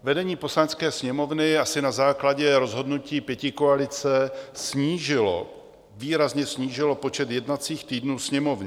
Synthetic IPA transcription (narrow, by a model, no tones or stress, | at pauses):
vɛdɛɲiːpo̞slaɲt͡skɛːsɲɛmo̞vnɪasɪnazaːklaɟɛɾo̞zɦo̞dnuciːpjɛcɪkoalɪt͡sɛsɲiːʒɪlo̰ | viːɾazɲɛsɲiːʒɪlo̞po̞t͡ʃɛt̪jɛdnat͡siːxt̪iːdnuːsɲɛmo̞vɲɪ